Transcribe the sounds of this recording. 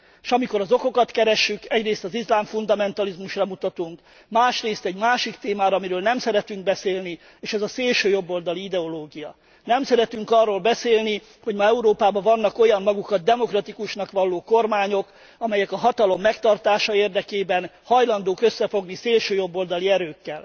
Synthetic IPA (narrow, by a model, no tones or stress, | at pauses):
ʃɒmiko̞ɾɒzo̞ko̞kɒt̪kɛɾɛʃːykɛɟreːst̪ɒzizlaːɱfund̪ɒmɛn̪t̪ɒlizmuʃrɒmut̪ɒt̪uŋk | maːʃreːst̪ɛɟmaːʃikt̪eːmaːɾɒmiɾøːlnɛmsɛɾɛt̪yŋɡ̚bɛseːlni | eːʃɛzɒseːlʃøːjo̞bːo̞ld̪ɒliid̪ɛo̞loːɡijɒ | nɛmsɛɾɛt̪yŋkɒrːoːlbɛseːlni | ho̞ɟmɒɛuɾoːpaːbɒvɒnːɒko̞jɒmːɒɡukɒd̪̚d̪ɛmo̞krɒt̪ikuʃnɒkʋɒlːoːko̞rmaːɲo̞k | ɒmɛjɛkɒɦɒt̪ɒlo̞mːɛkt̪ɒrt̪aːʃɒeːrd̪ɛkeːbɛnhɒjlɒnd̪oːkø̞sːɛfo̞ɡniseːlʃøːjo̞bːold̪ɒliɛɾøːkːɛl